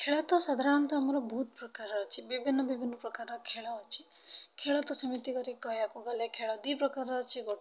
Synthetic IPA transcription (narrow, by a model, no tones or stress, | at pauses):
kʰeɭat̪ɔsəd̪ʱaɾant̪ɔːmaɾɔbɦt̪̚pɾəkaɾɔt͡ʃʰibibʱinːəbibʱinːɔpɾəkaɾɔkʰeɭat͡ʃʰi | kʰeɭat̪ɔsəmit̪ikəɾikɔjakuɡalekʰeɭad̪ipɾəkaɾɔt͡ʃʰiɡoʈ